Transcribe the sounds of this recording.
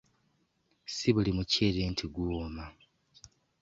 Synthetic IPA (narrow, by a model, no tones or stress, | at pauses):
siβulimuceːɾeːntʰiɡuma